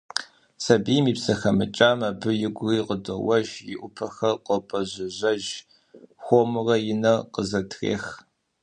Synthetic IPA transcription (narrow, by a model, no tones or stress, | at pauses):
sɐbiːmiːpsɐxɐmɨ̰t͡ʃʼaːmɐbɨjɪɡʷʊriːqədowɐʒjɪʔʷʊpʰɐxɐqʷʼɔpʼɐʑɪʑɐʒ | xʷomɨrɐjɪnɐqəzɐtʰrḛːx